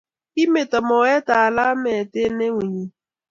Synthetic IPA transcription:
i˦me˨tɔ˨mɔ˨wɛ˦ta˨a˨la˦mɛ˨te˦ne˦ŋʷi˨ɲi˦

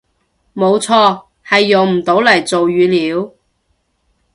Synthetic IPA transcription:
mo˨˧wt͡sʰɔː˧ | hɐ˨jːʊ˨ŋm̩˨˩t̪o˨˥wlɐ˨˩jt͡so˨wjɥyː˨˧liː˨˧˥w

